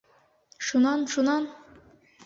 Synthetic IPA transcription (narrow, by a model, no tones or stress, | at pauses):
ʃunɑnʃunɑn